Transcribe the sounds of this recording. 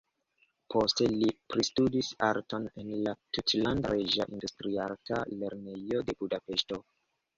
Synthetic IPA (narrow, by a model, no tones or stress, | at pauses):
pʰo̞stelipɾistudisaɾtonenlatutlandɾeʒaʔindustɾialkale̞ɾnejode̞budape̞sto̞